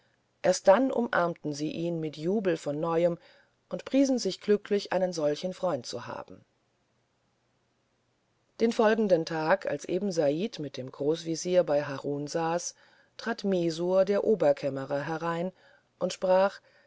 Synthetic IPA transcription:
ʔeːɐst̚d̥anʔʊ̰mʔa̰ɐmtn̩ziːʔiːnmɪtjuːbl̩fɔnːɔʏəm | ʔʊntpʁ̥iːzn̩zɪçɡ̥lʏklɪçʔa̰ɪnənzɔlçn̩fʁ̥ɔʏ̃nt̚t͡suha̰ːb̥m̩ | d̥eːnfɔlɡŋ̩dəntʰaːkʰa̰lsʔḛːbm̩zaiːtmɪt̚d̥eːmɡ̥ʁoːsv̥iziːɐbaɪɦaʁuːnzaːs | tʁ̥aːtmeːzuːɐdeːɐʔoːbɐkʰɛməʁɐɦɛʁaɪn | ʔʊntʃpʁ̥aːχ

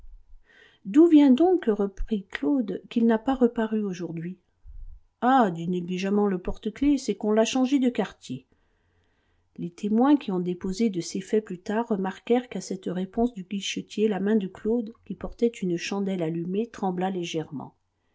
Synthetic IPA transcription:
d̪uvjɛ̃d̪ɔ̃kʁəpχiklod̪kʲilnapaʁəpaʁyoʒuʁd̪ɥi | ad̪yneɡliʒamɑ̃ləpɔʁt̪əklesɛkɔ̃laʃɑ̃ʒed̪əkaʁt̪je | let̪ʰemwɛ̃kʲiɔ̃d̪epozed̪əsefɛplyt̪aʁːəmaʁkɛʁkasɛt̪ʁepɔ̃sd̪yɡiʃət̪jelamɛ̃d̪əklod̪kʲipɔʁt̪ɛt̪ynəʃɑ̃d̪ɛlalymet̪χɑ̃blaleʒɛʁmɑ̰̃

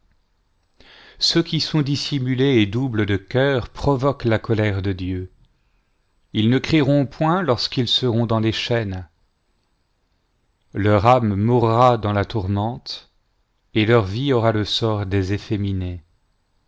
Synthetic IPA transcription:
søkʲisɔ̃d̪isimyleːd̪ubləd̪əkʲœʁpχɔvɔklakɔlɛʁd̪əd̪jø | ilnəkχiʁɔ̃pwɛ̃lɔʁskilsəʁɔ̃d̪ɑ̃leʃɛn | lœʁamːuʁːad̪ɑ̃lat̪uʁmɑ̃t̪ | elœʁviɔʁaləsɔʁd̪ezefemine

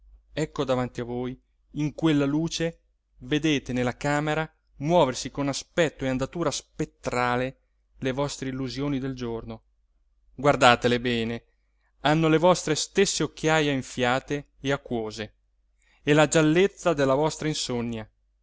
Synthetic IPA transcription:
ɛkːod̪avant̪iavoːj | iŋkwelːaluːt͡ʃe | ved̪eːt̪enelːakaːmeɾa | mwɔːversikonaspɛt̪ːoeand̪at̪uːɾaspet̪ːɾaːle | levɔst̪ɾeilːuzjoːnid̪eld͡ʒorno | ɡward̪aːt̪elebɛːne | anːolevɔst̪ɾest̪esːeokːjaːjaiɱfjaːt̪eː | akːwoːzeː | lad͡ʒalːet̪sːad̪elːavɔst̪ɾainsonːja

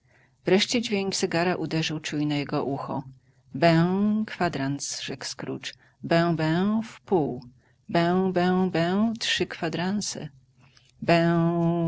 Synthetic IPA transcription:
vɾɛʂt͡ɕɛd͡ʑvʲjeŋksɛɡaɾaʔud̪ɛʐɘwt͡ʂujnajɛɡɔʔuxɔ̰ | bɛ̃wkfad̪ɾant̪sʐɛkskɾṵt͡ʂ | bɛ̃w̃bɛ̃wfpuw | bɛ̃wbɛ̃w̃bɛ̃wtʂɘkfad̪ɾant̪sɛ̰ | bɛw

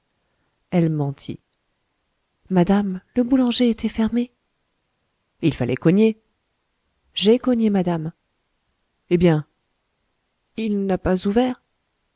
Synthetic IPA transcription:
ɛlmɑ̃t̪ʰḭ | ad̪amləbulɑ̃ʒeet̪ʰɛfɛʁme | ilfalʔɛ̰kɔɲe | ʒekɔɲemad̪am | ebjɛ̃ | ilnapazuvɛːʁ

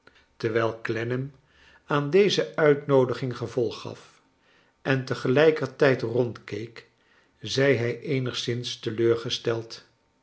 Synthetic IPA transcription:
təɹʋɛːlˠklɛnəm | aːndejzəœɥtnowdəχɪŋχəvɔlˠχːɑ̰f | ʔɛntəχəlɛjkərtɛjtrɔntkejk | zɛjɦɛjʔejnəχsɪnstəløːɹχəstɛlˠt

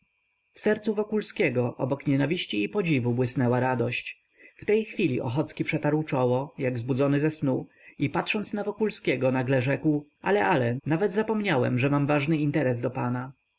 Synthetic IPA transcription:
fsɛɾt̪suvɔkulskʲɛɡɔʔɔ̰bɔkɲɛnavʲiɕt͡ɕiːpɔd͡ʑivubwɘsnɛwaɾad̪ɔɕt͡ɕ | ft̪ɛjxfʲilʲiʔɔ̰xɔt̪skʲipʂɛt̪aɾwt͡ʂɔwɔjaɡvzbud̪zɔnɘzɛsnu | ipat̪ʂɔnt̪snavɔkulskʲɛɡɔnaɡlɛʐɛkwa̰lɛʔalɛnavɛd̪zapɔmɲawɛ̰mʐɛmamvaʐnɘint̪ɛɾɛzd̪ɔpana

